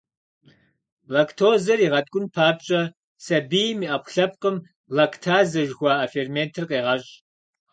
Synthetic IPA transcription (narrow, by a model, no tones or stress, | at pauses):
lɐktʰoːzɐriʁɐtʼkʷʼʊnpʰaːp̚t͡ʃʼɐ | sɐbijmiːʔɐpʷʰɬɐp̚qəm | lɐkʰtʰaːzɐʒxʷɑːʔɐfeːrmeːntʰɨrqeːʁɐɕʼ